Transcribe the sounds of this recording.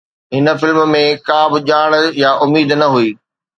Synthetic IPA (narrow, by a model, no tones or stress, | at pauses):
ɦɪnə̆fɪlmmẽkãːbɪʄaːɽ̃jaʔʊmiːd̪nɐɦuiː